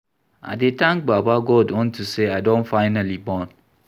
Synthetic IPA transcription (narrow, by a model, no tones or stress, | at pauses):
a̰dɪtãŋk̚ɡ͡babaɡɔdɔ̃ntʰuseadõnfaɪnalibɔ̃n